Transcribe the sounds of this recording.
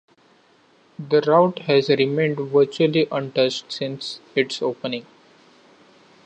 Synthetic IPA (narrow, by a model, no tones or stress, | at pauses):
d̪əɾaʊʈhɛzɾɪmẽːɳɖʋəɾt͡ʃuəliʔʌ̃ɳʈʌt͡ʃʈsɪ̃nsɪʈsoːpənɪ̃ŋ